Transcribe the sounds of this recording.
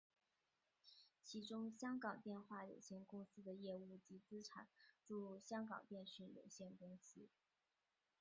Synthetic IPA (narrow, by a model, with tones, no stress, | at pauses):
t͡ɕʰi˧˥ʈ͡ʂʊ˥ŋɕjɑ˥ŋkɑ˨˩ŋt̪jɛ˥˧nxwa˥˩jo̰˨˩ʊɕjɛ˥˩nkʊ˥ŋsɹ̩˥d̪ə˨jɛ˥˧u˥˩t͡ɕi˧˥t͡sɹ̩˥ʈ͡ʂʰa̰˨˩˦nʈ͡ʂu˥˧ɕjɑ˥ŋkɑ̰˨˩ŋp̪jɛ˥˧nɕy˥˩njo̰˨˩ʊɕjɛ˥˩nkʊ˥ŋsɹ̩˥